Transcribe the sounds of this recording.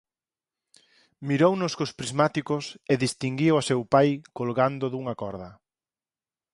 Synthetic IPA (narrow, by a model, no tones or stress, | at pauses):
miɾownʊskospɾizmat̪ikʊseðist̪iŋɡiwasewpajkolɣand̪ʊðuŋɐkɔɾðɐ